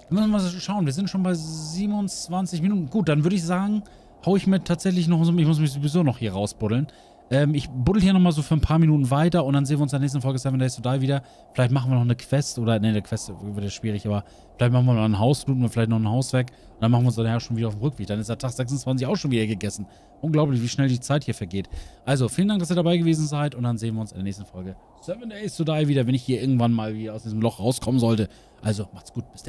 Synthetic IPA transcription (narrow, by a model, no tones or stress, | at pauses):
mʏsn̩vazʃaʊnviːɐzɪntʃoːnbaɪziːbmʊnt͡sv̥ant͡sɪçminuːtn̩ɡuːt̚d̥anvʏɐɾəɪçz̥aːɡŋ̩ | haʊəɪçmiːɐtʰaːtz̥ɛçlɪçnɔχzomɪçmʊs̬mɪçzovizoːnɔχhiːɐʁaʊsb̥ʊdl̩n | ʔɛːmɪçbʊdl̩hiːnɔχmaːlzoːfyːɐnpʰaːɐminuːtn̩vaɪtɐʊntd̥anzeːnviɐʊnsɪndɛɐnɛːs̬tn̩fɔlɡəsɛvndɛɪszodaːviːdɐ | fɪlaɪçtmaχn̩viːɐnɔχnəkʰv̥ɛstʔoːdɐnədekʰv̥ɛstvɪɐtjaʃv̥iːʁ̞ɪçʔaːbɐ | fɪlaɪçtmaχn̩viːɐnɔχn̩ɦaʊsfluːtn̩fɪlaɪçtnɔχn̩haʊsv̥ɛɐk | ʊntd̥anmaxχn̩viəʊnsnaʊxʃoːnviːdɐaʊfmʁʏkv̥eːkd̥anɪstd̥aːɐtʰaːχz̥ɛksʊnt͡sv̥ant͡sɪçaʊxʃoːnviːdɐɡəɡɛsn̩ | ʔʊnɡlaʊplɪçv̥iːʃnɛldiːt͡saɪthiːɐfɛɐɡeːtʔalzofiːləndaŋkd̥as̬iːɐdabaɪɡəveːzn̩zaɪtʊnt̚d̥anzeːənviːʊnsɪndeɐnɛːçstn̩fɔlɡə | sɛvəndɛɪstodaɪviːdɐvɛnɪçhiːɐʔɪɐɡŋ̩tv̥anmaːlviːdɐaʊsd̥iːzəm̩lɔχʁaʊskʰɔmənzɔltə | ʔalzomaχtɡ̥uːt̚b̥ɪsd̥